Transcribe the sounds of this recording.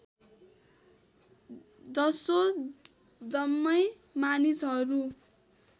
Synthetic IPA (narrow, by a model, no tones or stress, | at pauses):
d͡zʌso | d͡zʌmːʌj | manisɦʌɾu